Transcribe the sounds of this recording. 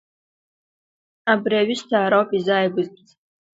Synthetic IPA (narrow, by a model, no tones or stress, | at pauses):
abriaɥɪʃtʰaːɾawpʼizajɡʷʊzpʰʼt͡sʼ